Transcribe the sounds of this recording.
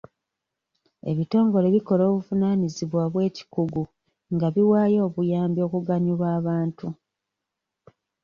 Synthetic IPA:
e̞̰βito̞ːŋɡo̞le̞βiko̞lo̞ːβuvunaniziβwaβwe̞ːci̥kuɡu | ŋɡaβiwaːjo̞ːβujaːmbjo̞ːkuɡaɲuβwaːβaːntu

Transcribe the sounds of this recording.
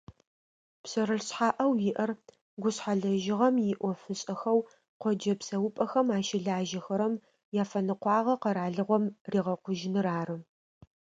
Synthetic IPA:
psɐɾɨɬɕħaːʔɐwjɪʔɐr | ɡʷʊɕħaɮɐʒɪʁɐmjɪʔʷɔfɨɕʼɐxɐw | qʷɔd͡ʒɐpsɐwʊpʼɐxɐmaːʃɪɮaːʒɐxɐɾɐm | jaːfɐnɨqʷɑːʁɐqɐɾaːɮɨʁʷɔmriːʁɐqʷʊʒɪnɨɾaːrɨ

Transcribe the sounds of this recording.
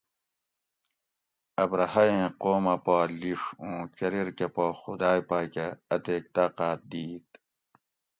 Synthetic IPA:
ɐbɾɐhɐjẽːqoːmɐpaːliʂũːt͡ɕɐɾiɾkepoːxud̪aːjpaːkeɐt̪eːk̚t̪aːqaːt̪̚d̪iːt̪

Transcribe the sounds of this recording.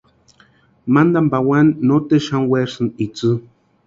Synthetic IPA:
mand̪ambawanːot̪eʃanweɾsɨnit͡sɨ

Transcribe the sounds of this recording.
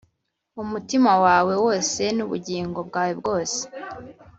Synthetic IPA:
umutimawaːwe̞wo̞ːse̞nuβuɟiːŋɡo̞bɡaːwe̞bɡo̞ːse̥

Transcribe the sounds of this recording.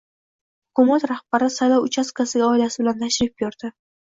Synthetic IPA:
hʊkʊmat̪ɾahb̥aɾɪsajlɒwʊt͡ʃʰaskʰasɪɡʲaɒɪlasɪbɪlant̪ʰaʃɾɪf̚boɾd̪ɪ

